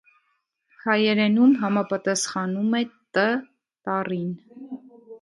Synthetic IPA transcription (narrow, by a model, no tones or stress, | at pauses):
hʰɑjɛɾɛnumɦɑmɑpɑt̪ɑsχɑnumɛt̪ə | t̪ɑrin